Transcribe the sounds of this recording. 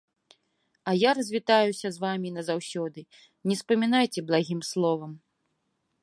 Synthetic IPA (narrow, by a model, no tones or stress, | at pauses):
ɐjaɾɐzʲvʲit̪ajusʲɐzvamʲinɐzawsʲɔd̪ɨ | nʲɛspɐmʲin̪ajt͡sʲɛblˠaɣʲimslˠɔvɐm